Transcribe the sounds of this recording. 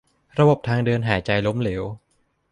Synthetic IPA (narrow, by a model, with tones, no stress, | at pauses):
ɾa˧bo˨˩p̚t̪ʰaː˧ŋdɯː˧nɦaː˩˦t͡ɕa˧jlo˦˥mleː˩˦w